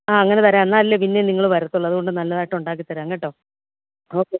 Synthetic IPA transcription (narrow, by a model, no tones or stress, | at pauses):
aːɐŋːɐnet̪ɐɾanːaːɾɐlːepinːe̞niŋːɐɭʋɐɾɐt̪ːuɭːɐðuɣoɳɖɨnɐlːɐðaːjʈːɐuɳɖaːk̬ːit̪ːɐɾaɐŋːeʈːo̞ː | o̞ːkːe̞ː